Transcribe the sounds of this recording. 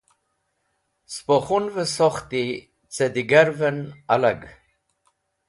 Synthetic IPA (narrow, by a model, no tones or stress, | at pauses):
spoχunvəsoχt̪i | t͡sed̪iɡaɾvənalaɡ